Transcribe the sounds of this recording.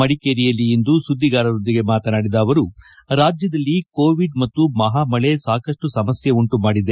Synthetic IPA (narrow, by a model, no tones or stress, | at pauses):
ɐɽikeːɾijɐlːiend̪usud̪ʱːiɡaːɾɐɾo̞nd̪iɡe̞maːt̪ɐnaːɽid̪aːʋɐɾu | ɾaːd͡ʒjɐd̪ɐlːiko̞ːʋiɖmɐt̪ːumɐɦaːmɐɭe̞saːkɐʂʈusɐmɐsjɐuɳʈumaːɽid̪e̞